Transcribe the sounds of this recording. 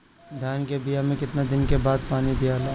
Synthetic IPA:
d̪ʱjaːnkebijamẽkɪt̪nad̪ɪnkebaːd̪̚paːnid̪ijaːla

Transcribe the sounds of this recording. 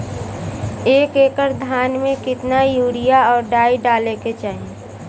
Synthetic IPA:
eːkeːkəɾd̪ʱaːnmẽkɪt̪najuːɽɪijaɔːɾɖaːiɖaːleket͡ʃaːɦẽː

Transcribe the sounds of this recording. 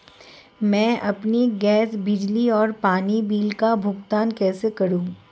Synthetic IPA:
mɛ̃ːʔɐpniɡɛːsbɪd͡ʒliɔːɾpaːnibiːlkabʱʊɡt̪aːnkɛːsekɐɾũː

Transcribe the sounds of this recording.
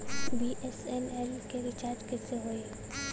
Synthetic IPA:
biʔɛsɛmɛlkeɾɪt͡ʃaːɾd͡ʒkɪseɦoe

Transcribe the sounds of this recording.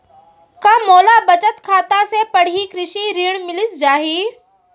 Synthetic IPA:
kaːmoːlabɐt͡ɕət̪kʰaːt̪asepɐɽ̤ikɾɪʃiɾiːɽ̃mɪlɪsd͡ʑaːɦiː

